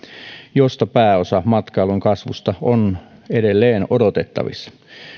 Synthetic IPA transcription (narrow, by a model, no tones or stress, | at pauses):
jost̪ɑpæːosɑmɑt̪kɑiluŋkɑsʋust̪ɑonedelːeːnodot̪et̪ːɑ̰ʋḭsːɑ̥